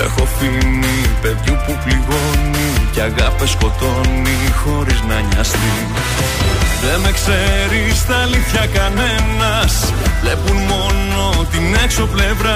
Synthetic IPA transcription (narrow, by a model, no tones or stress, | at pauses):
e̞̰xo̞finipe̞ðjupupliɣo̞niceɐɣɐpesko̞t̪o̞nixo̞ɾiznɐɲɐst̪i | ðe̞me̞kse̞ɾist̪ɐliθçɐkɐne̞nɐs | vle̞punmo̞n | o̞t̪ine̞kso̞ple̞vɾɐ